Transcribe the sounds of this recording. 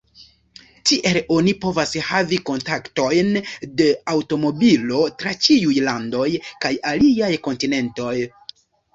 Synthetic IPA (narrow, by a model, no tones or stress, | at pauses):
tiʔe̞lo̞nipo̞vashaviko̞ntakto̞jnde̞awto̞mo̞bilo̞tɾat͡ʃiujlando̞jkajaliajko̞ntine̞nto̞j